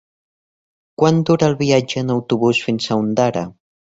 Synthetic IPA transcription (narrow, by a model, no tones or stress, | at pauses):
kwand̪uɾəːlˠβiad͡ʒəːnəwt̪uβusfinsaund̪aɾə̰